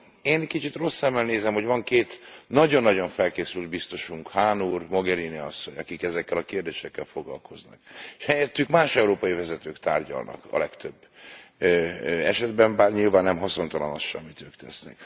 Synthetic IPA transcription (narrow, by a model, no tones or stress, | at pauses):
eːnkit͡ʃit̪ro̞sːɛmːɛlneːzɛmho̞ɟvɒŋkeːt̪nɒɟo̞nːɒɟo̞ɱfɛlkeːsylt̪̚bist̪o̞ʃuŋkhaːnuːrmo̞ɡɛɾiniɒ̰sːo̞ɲɒkikɛzɛkːɛlɒkeːrd̪eːʃɛkːɛlfo̞ɡlɒ̰lkʰo̞znɒ̰keʃhɛjɛt̪ːykmaːʃɛuɾoːpɒjivɛzɛt̪øːkt̪a̰ːrɟɒ̰lnʔɒ̰kɒ̰lɛkt̪øbːøɛʃɛd̪bɛmbaːrɲilvaːnːɛmɦɒso̞nt̪ɒlɒno̰ʃʃɛ̰mːit̪øːkt̪ʰɛsnɛ̰k